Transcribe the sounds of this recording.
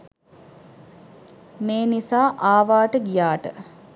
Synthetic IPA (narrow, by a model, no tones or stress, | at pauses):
meːnisaːʔaːʋaːʈəɡijaːʈə